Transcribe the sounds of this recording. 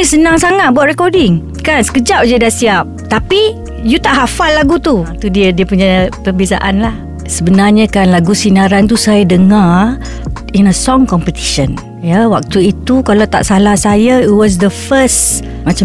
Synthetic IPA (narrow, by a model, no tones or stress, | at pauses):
isənaŋsaŋat̪̚buaʔ̪rɾɛkɔdɪŋ | kansə̥kəd͡ʒaʔ̚d͡ʒədasiap̚t̪api | jut̪aʔɦafalːaɡut̪ut̪udiədiəpuɲapəbesa̰ʔanlah | səbənarɲəkanlaɡusinaɾant̪usajadəŋar | inəsɔŋkɔmpət̪i̥ʃən | jawak̚t̪uit̪ukalat̪a̰ʔsalahsajaiwɔs̬d̪əfəst | mãt͡ʃa